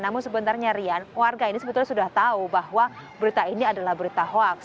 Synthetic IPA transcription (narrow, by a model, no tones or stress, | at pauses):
namʊnsəbənt̪arɲaɾianwarɡainisəbət̪ʊlsudaht̪aubahwabəɾit̪ainiadalahbəɾit̪aɦoak̚